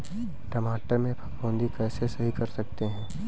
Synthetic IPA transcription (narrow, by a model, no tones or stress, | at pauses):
ʈɐmaːʈəɾmẽpʰɐkbõːnd̪ikɛːsesɐɦikɐɾsɐk̚t̪eɦɛ̃ː